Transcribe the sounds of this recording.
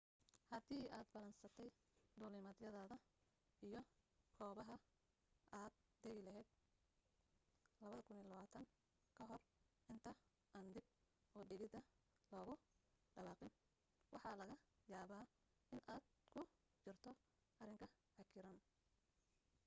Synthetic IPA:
hɐd̪iːaːd̪bɐlɐnsɐt̪ʰɛj | d̪ʊːlɪmɐd̪jɐðɐːðɐ | ʔijɔkʰɔːβɐɦɐ | ʔaːd̪̚ | d̪ɛɣɪlɐɦɛːd̪̚ | lɐβɐðɐkʰʊniːlɐβaːt̪ʰɐŋ | kʰɐɦɔr | ʔɪnt̪ʰɐ | ʔɐnd̪ɪb̚ | ɔːɖɪɣɪd̪ɐ | lɔːɣʊɖɐwɑːqɪn | wʔɑħɑlɐɣɐjaːβaː | ɪnʔaːd̪kʰʊ | t͡ʃɪrt̪ʰɔ | ʔɐrɪŋkʰɐ | hɐkʰɪɾɐn

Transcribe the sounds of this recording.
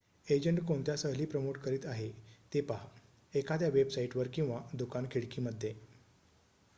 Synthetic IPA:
ed͡ʑəɳʈkoɳt̪jasəɦliːpɾəmoʈkəɾiːt̪aɦet̪epaɦ | ekad̪jaʋebsaiʈʋəɾkĩw̃ʋad̪ukankʰiɽkiːməd̪ʱːje

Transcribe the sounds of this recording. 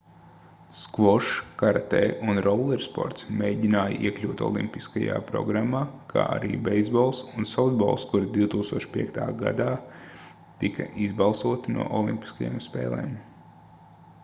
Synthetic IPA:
skvɔʃkaɾat̪ɛːʔunɾɔwlˠɛɾspɔ̰ɾt̪smeːjɟʲinaːjiɛklʲuːt̪ɔ̰lˠḭmpiskaja̰ːpɾɔɡɾamːaːkʰa̰ːʔa̰ɾḭːbɛjzbɔlˠsunsawd̪bɔ̰ːlˠskuɾd̪iwt̪uːkst̪uɔʃpʲiɛkt̪ʰaːɡa̰d̪aː | t̪ikʰɐʔizbalˠsuɔt̪nṵɔʔɔlˠimpʲi̥skaja̰ːmspɛ̰ːlˠɛ̰ːm

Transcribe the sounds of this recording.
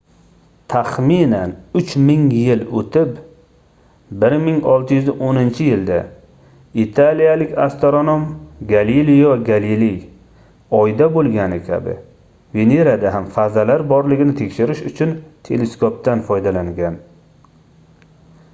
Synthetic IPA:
t̪ʰaχminanʊt͡ʃʰmɪŋjɪlot̪ʰɪp | bɪɾmɪŋɒlˠt̪ʰɪjʏzɪʔonɪnt͡ʃʰɪjɪld̪a̰ | it̪ʰalijalɪkʲa̰st̪oɾonomɡalilijɒɡalilij | ɒjd̪abolˠɡʲanɪkʲʰa̰bɪ̰ | veneɾad̪aɦamfazalaɾbɒɾlɪɡʲɪnɪt̪ʰe̞kʲʃɪɾɪʃʊt͡ʃʰʊnt̪ʰe̞le̞skʰop̚t̪anfɒjd̪alaŋɡʲan

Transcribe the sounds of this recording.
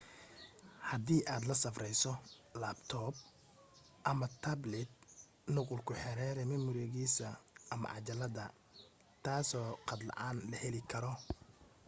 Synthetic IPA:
hɐd̪iːʔaːd̪lɐsɐfrɛjsɔlaːbt̪ʰɔːb | ʔɐmɐt̪ʰɐblɛd̪̚ | nʊqʊlkʰʊħɛɾɛːɾɛmɐmʊɾɛːɣiːsɐʔɐmɐ̰ʕɑt͡ʃɐlɐdɐ | t̪ʰaːsɔːqɑd̪lɑ̰ʕaːnlɐhɛlɪkʰɐɾɔ

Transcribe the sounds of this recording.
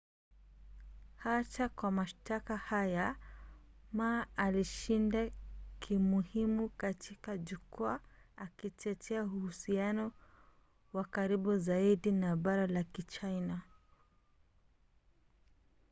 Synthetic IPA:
hat͡ʃakwamaʃtakahaja | maaliʃindakʰimuhimukatikaʄukuaakit͡ʃɛtʰɛahuhusianɔ | wakaɾibuzaiɗinaɓaɾalakit͡ʃajna

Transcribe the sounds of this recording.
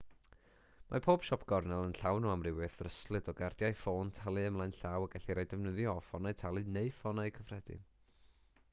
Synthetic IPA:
mʔa̰pʰoːb̥ʃɔpʰɡ̥ɔrnɛlˠənɬawnoamrɪwɪθrəslˠɨdɔɡardjajfoːntʰalˠɨəmlˠajnɬaːwaɡɛɬiɾajdɛvnəðjɔfɔnajtʰalˠɨneɨfɔnajkʰəvrɛdɨ̰

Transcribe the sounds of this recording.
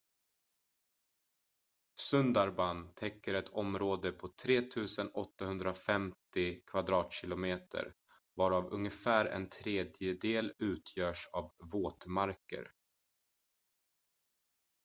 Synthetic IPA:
sɵnd̪aɾbant̪ʰɛkːəɾɛt̪ʰɔmɾoːd̪əpʰɔt̪ʰɾeːt̪ʰʉ̟ːsənɔt̪ːaɦɵnd̪ɾafɛmt̪ɪkʰvad̪ɾɑːt̪ɕɪlʊmeːt̪ʰə̰ɾ | vɑːɾavɵ̰ŋəfæːɾɛ̰nt̪ʰɾeːd̪jəd̪eːlʉ̟ːt̪ʰjœːʂavːoːt̪maɾkə̰ɾ

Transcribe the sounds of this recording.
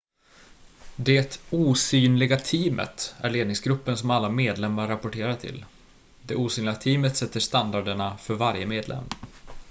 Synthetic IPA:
d̪ɛt̪uːsyːnlɪɡat̪ʰiːmʔə̰t̪æ̰ɭeːd̪nɪŋsɡɾɵpːənsɔmalːameːd̪lɛmːaɾːapʊʈeːɾat̪ʰɪ̰l | d̪ɛuːsyːnlɪɡat̪ʰiːmət̪sɛt̪ːəʂt̪and̪aɖəɳafœɾvaɾjəmeːd̪lʔɛ̰mː

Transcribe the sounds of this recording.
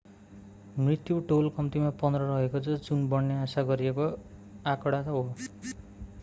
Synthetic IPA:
mrit̪juʈolkʌmt̪imapʌnd̪rʌɾʌɦekot͡sʰʌd͡zunbʌɽːeasaɡʌɾieko | akɔɽat̪ʌɦo

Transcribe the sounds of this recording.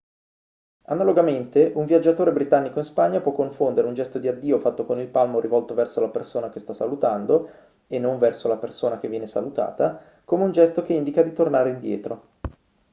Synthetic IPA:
a̰naloɡament̪eʔuɱvjad͡ʒːat̪oːɾebɾit̪anːikoĩnspaɲːapwɔkːoɱfond̪eɾeund͡ʒɛst̪od̪iad̪ːiːofat̪ːokonilpalmoɾivɔlt̪ovɛrsolapersoːnak̟est̪asalut̪and̪o | enːoɱvɛrsolapersoːnak̟evːjɛːnesalut̪a̰ːt̪a | komeund͡ʒɛst̪ok̟eind̪ikad̪it̪ornaːɾeind̪jɛ̰ːt̪ɾo

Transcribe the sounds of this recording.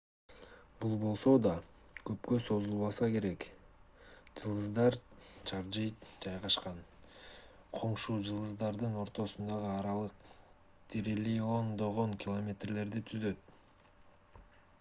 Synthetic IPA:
bulˠbo̞lˠso̞d̪ɑkɵpkø̞so̞zulˠβɑsɑke̞ɾe̞k | d͡ʒɯlˠɯzd̪ɑɾt͡ʃʰɑɾd͡ʒɯjd͡ʒɑjʁɑʃqɑn | qʰo̞ɴʃuːd͡ʒɯlˠɯzd̪ɑɾd̪ɯno̞ɾt̪o̞sund̪ɑʁɯɑɾɑlˠɯq | t̪ʰiɾelijo̞nd̪o̞ʁoŋkʲɪlˠomʲe̞t̪rle̞ɾd̪it̪ʰyzø̞t̪

